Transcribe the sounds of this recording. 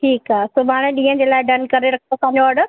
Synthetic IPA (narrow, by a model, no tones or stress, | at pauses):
ʈʰiːkaːsʊbʱaːɽ̃ẽɗĩːə̃d͡ʑeːlaːɪɖɐnkɐɾeɾɐkʰokʰãːɲoɐɖə